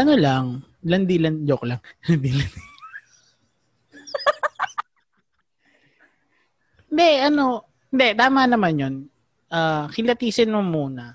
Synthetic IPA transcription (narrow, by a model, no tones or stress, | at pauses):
ʔɐnolaŋ | lɐnd̪ilɐnd͡ʒoklaŋlɐnd̪ilɐni | hɪnd̪ɛʔɐno̞ | hɪnd̪ɛt̪aːmanɐmanjon | ʔaːkɪlɐt̪iːsɪnmomuːnɐ